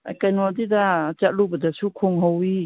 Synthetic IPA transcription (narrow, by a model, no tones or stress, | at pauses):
a̰jkajnɔdidat͡ʃalubadasukʰɔŋɦawi